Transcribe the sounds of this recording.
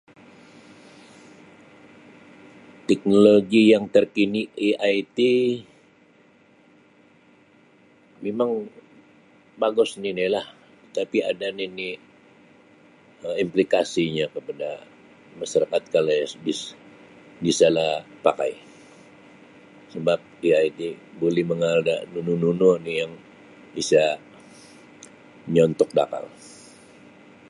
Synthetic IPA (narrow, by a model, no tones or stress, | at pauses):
t̪ɛk̚noloɡijaŋt̪ərkiniiʔajt̪i | memaŋ | baɡʊsninilah | tət̪apia̰danini | əimplikasiɲakəpada | masaɾakat̪̚kalajasbis | bisalahpaka̰j | səbap̚diajt̪ibolɛhməŋada̰nunununonijaŋ | bisa | ɲɔnt̪ʊk̚da̰ka̰l